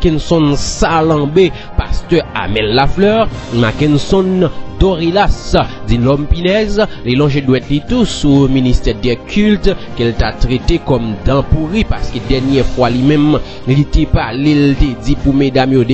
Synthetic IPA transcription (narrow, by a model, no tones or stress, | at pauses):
kɛnsɔ̃nsalãbe | pastøa̰mɛlːaflœʁmakɛ̃nsɔ̃nd̪oʁelasd͡zilɔmpinɛzlelɔ̃ʒedwɛtlit̪usuminist̪ɛʁdɛkʰylt̪kəltat̪ʁet̪ekɔmd̪ãpuʁipaskedɛnjɛfwalimɛ̃m | lit̪epalelt̪ed͡zipumedamjode